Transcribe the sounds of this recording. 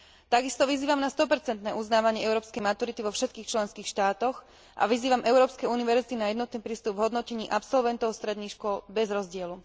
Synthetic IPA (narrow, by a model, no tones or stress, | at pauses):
t̪aɡist̪ɔʋiziːʋamnast̪ɔpɛɾt͡sɛnt̪nɛːʔuznaːʋaɲɪɛɛʊɾɔːpskɛjmat̪uɾit̪iʋɔfʃɛt̪̚kiːxt͡ʃlɛnskiːxʃt̪aːt̪ɔx | ʔa̰ʋiziːʋamʔɛʊɾɔːpskɛjuniʋɛɾzit̪inajɛd̪nɔt̪niːpɾiːst̪ubvɦɔd̪nɔcɛɲiːʔapsɔlʋɛnt̪ɔʊst̪ɾɛd̪niːxʃkʊɔlbɛzɾɔzɟɪɛlu